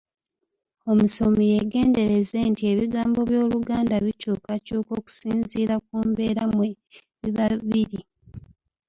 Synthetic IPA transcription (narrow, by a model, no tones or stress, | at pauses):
o̞musomije̞ɡe̞ːnde̞ɾe̞ze̞ntie̞βiɡaːmbo̞βjo̞ːluɡaːndaβicuːkacuːko̞ːku̥siːnziːɾak̚uːmbe̞ːɾamwe | βiβaβiɾi